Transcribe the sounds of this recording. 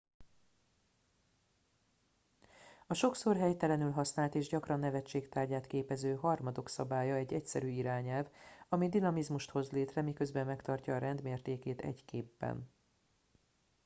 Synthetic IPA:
ɒʃo̞kso̞rɦɛjt̪ɛlɛnylɦɒsnaːlt̪eːʒɟɒkrɒnːɛvɛt͡ʃːeːkt̪aːrɟaːt̪keːpɛzøːɦɒrmɒd̪o̞ksɒbaːjɒɛɟːɛcsɛɾyːiɾaːɲɛlvɒmid̪inɒmizmuʃt̪ho̞zleːt̪rɛmikø̞zbɛmːɛkt̪ɒrcɒːɾɛnd̪meːrt̪eːkeːt̪ɛ̰ɟkeːbːɛ̰n

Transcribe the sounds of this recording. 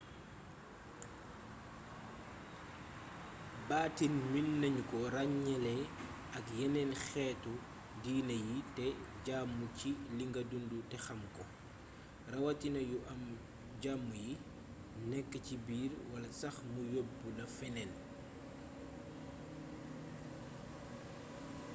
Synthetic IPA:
baːtinminːɐɲkɔɾaɲːɛlɛ | ɐkjɛnɛnxɛːtu | diːnɐjitɛɟamːuciliŋɡɐdundutɛxɐmkɔ | rɐwɐtinɐjuʔɐm | ɟaːmːuji | nɛkːəcibiːrwɐlɐsɐxmujobːulɐfɛnɛn

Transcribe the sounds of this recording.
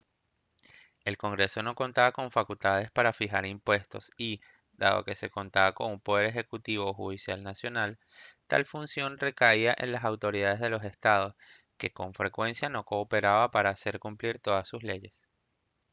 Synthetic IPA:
e̞lko̞ŋɡɾe̞so̞no̞ko̞nt̪aβako̞ɱfakult̪að̞e̞spaɾafixaɾimpwe̞st̪o̞̰si | d̪a̰ðo̞̰ke̞se̞ko̞nt̪aβako̞ŋumpo̞ð̞e̞ɾe̞xe̞kut̪iβ̞o̞xuð̞isjalnasjo̞nal | t̪a̰lfunsjo̞nre̞kaiaʔḛnlasawt̪o̞ɾiðað̞e̞zðelo̞se̞st̪að̞o̞s | ke̞ko̞ɱfɾe̞kwe̞nsjano̞ko̞ːpe̞ɾaβapaɾaːse̞ɾkumpliɾt̪o̞ðasːusle̞ʝe̞s

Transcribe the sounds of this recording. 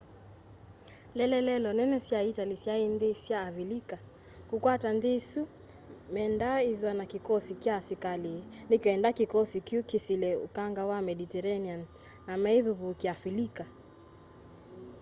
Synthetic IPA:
lɛlɛlɛlɔnɛnɛsiaitalisjainðisjaːvilika | kukwatanðisu | mɛndaiviwanakikɔsikjasikalinikwɛndakikɔsikukisilɛṵkaŋɡawamɛɗitɛɾanianː | amaiðuβukafilika

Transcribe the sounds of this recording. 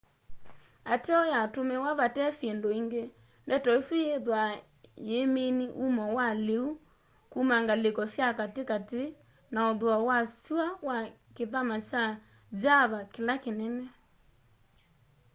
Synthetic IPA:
ateɔjatomɛwaβatɛsɛndoiŋɡe | ndɛtɔesujeðwa | jemeniʔumɔwaleu | kumaŋɡalekɔsjakatekate | naɔðwawasuawa | keðamat͡ʃa | d͡ʒaβakelakenɛnɛ

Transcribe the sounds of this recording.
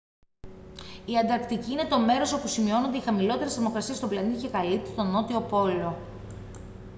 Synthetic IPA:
iɐnd̪ɐɾkt̪iciine̞t̪o̞me̞ɾo̞so̞pusimio̞nond̪eixɐmilo̞t̪e̞ɾesɐmo̞kɾɐsiɐst̪oblɐnicekɐlit̪u̥st̪o̞no̞t̪io̞po̞lo̞

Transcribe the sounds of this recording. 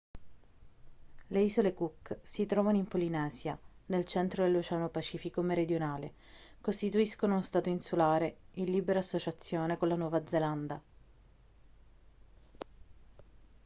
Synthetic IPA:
leiːzolekukːsit̪ɾɔːvanoimpolinɛːzjanelt͡ʃɛnt̪ɾod̪elːot͡ʃɛːanopat͡ʃiːfikomeɾed̪jonaːle | kost̪it̪uiskonounst̪aːt̪oinsulaːɾeilːiːbeɾaːsːot͡ʃat̪sːjoːnekolːanwɔːvad̪zeland̪a

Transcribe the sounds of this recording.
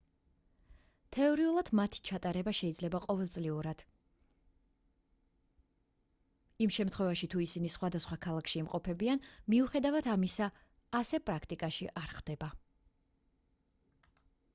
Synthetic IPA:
t̪ʰɛɔɾiulˠad̪mat̪ʰi̥t͡ʃʰat̪ʼaɾɛbaʃɛid̪zlɛbaqʼɔvɛlˠt̪sʼliuɾad̪̥ | imʃɛmt̪ʰχwɛvaʃit̪ʰuisinisχwad̪asχwakʰalˠakʃiːmqʼɔpʰɛbianmiuχɛd̪avad̪ʰamisaː | sɛpʼɾakʰt̪ʼikʼaʃiʔaɾχd̪̥ɛba

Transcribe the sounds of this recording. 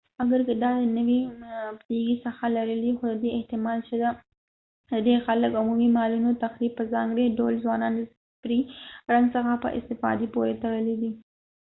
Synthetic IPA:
aɡəɾkəd̪ɑd̪ənəwipd̪iɡisaxalaɾəlixod̪əd̪eɪht̪ɪmɑlt͡ʃed̪a | d̪əd̪exaləkʊmumimɑlunot̪axɾib̚pːəzɑŋɡɾeɖolzwɑnɑnd̪ə | pɾiɾaŋɡsəxapə̰ʔɪ̰st̪ɪfɑ̰d̪ipoɾet̪əɽəlid̪i

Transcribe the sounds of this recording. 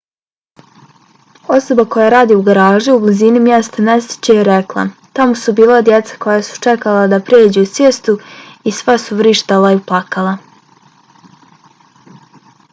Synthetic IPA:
o̞so̞bako̞jaɾaːd̪iuɡaɾaːʒiublizinimje̞st̪ane̞st̪i̥t͡ɕeiɾeklˠa̰t̪amosubiːlˠad̪je̞t̪sḁko̞jasu̥t͡ʃe̞kalad̪apɾeːd͡ʑeusjest̪uisʋasuʋɾiːʃt̪alaiplakala

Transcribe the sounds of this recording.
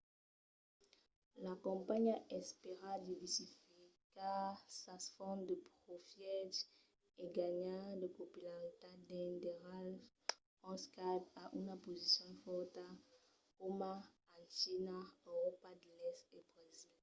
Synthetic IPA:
lakɔ̃mpaɲaʔɛspeʁad̪ivɛsifikasasfɔnd̪əpʁofjɛt | eɡaɲadəpopylaʁit̪ad̪ɛ̃nd̪eʁalv | ɔ̃skad̪aʔynapozisjɔ̃nfɔʁt̪a | koma | ãʃinaøʁɔpad̪əlɛstebʁezil

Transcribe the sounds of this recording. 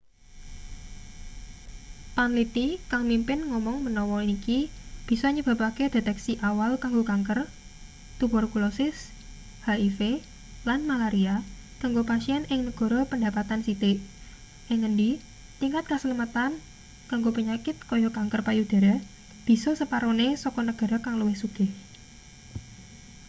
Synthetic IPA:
panlit̪ikaŋmimpɪnŋɔmɔŋmənɔwɔinikib̥i̤sɔɲəb̥a̤paked̥e̤t̪ɛksiʔawalkaŋɡokaŋkər | t̪upɔrkulɔsɪs | haife | lanmalaɾia | kaŋɡopasiɛnʔɪŋnəɡ̥ɔ̤ɾɔpəɳda̤pat̪ansit̪eʔ | ʔɪŋːəndi | t̪iŋkat̪̚kəsəlimat̪an | kaŋɡopəɲakɪt̪̚kɔjɔkaŋkərpajud̪̥a̤ɾa | b̥i̤sɔsəpaɾonesɔkɔnəɡ̥a̤ɾakaŋluwɪhsuɡ̥ɪ̤h

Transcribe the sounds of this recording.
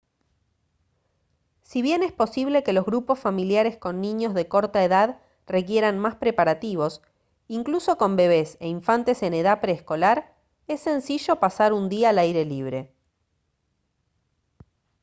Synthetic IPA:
siβje̞nespo̞siβle̞ke̞lo̞zɣɾupo̞sfamiljaɾe̞sko̞nːĩɲo̞zðe̞ko̞ɾt̪aeðað | re̞k̬je̞ɾanmaspɾe̞paɾat̪iβ̞o̞s | iŋkluso̞ko̞mbe̞β̞e̞sḛiɱfant̪e̞se̞ne̞ð̞apɾeːsko̞laɾ | e̞sːe̞nsiʒo̞pasaɾund̪iaːlajɾe̞liβ̞ɾe̞

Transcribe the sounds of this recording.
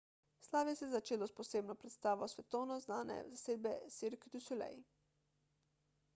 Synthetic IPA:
slaːʋjɛsɛzat͡ʃeːlɔspɔseːbnɔpɾɛt̪st̪aːʋɔsʋɛt̪ɔwnɔznaːnɛ̰zaseːd̪̚bɛseɾkt̪usulɛ̰j

